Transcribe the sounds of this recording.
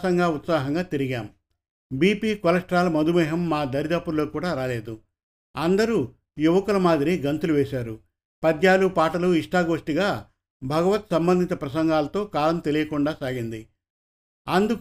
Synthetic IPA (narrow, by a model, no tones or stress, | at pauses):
ɐŋɡaːut̪saːɦɐŋɡaːt̪iɾiɡaːm | biːpiːkɔlɐʂʈɾaːlɐmɐd̪umɛːɦɐmːaːd̪ɐɾid̪aːpːulo̞ːkuːɽaːɾaːle̞ːd̪u | ɐnd̪ɐɾu | juʋɐkulɐmaːd̪iɾiɡɐnt̪uluʋɛːʃaːɾu | pɐd̪jaːlupaːʈɐluiʂʈaːɡoːʂʈiɡaː | bʱɐɡɐʋɐt̪sɐmbɐnd̪ʱit̪ɐpɾɐsɐŋɡaːlɐt̪o̞ːkaːlɐmt̪e̞lijɐkuɳɖaːsaːɡind̪i | ɐnd̪uk